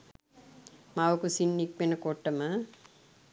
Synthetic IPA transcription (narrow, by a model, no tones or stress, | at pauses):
maʋəkusinːik̚menəkoʈːəmə